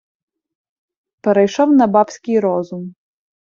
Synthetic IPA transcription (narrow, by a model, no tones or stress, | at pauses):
pɛɾɛjʃɔwnɐbapsʲkʲɪjɾɔzum